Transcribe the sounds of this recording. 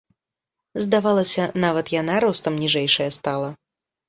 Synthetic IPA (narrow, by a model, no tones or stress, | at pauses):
zd̪avalˠɐsʲɐnavɐt̪janaɾɔst̪ɐmnʲiʐɛjʂɐjɐst̪alˠɐ